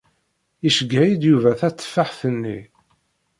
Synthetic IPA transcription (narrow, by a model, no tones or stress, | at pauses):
iʃəɡːæjid̪juvæθæt͡sːfaħθənːḭ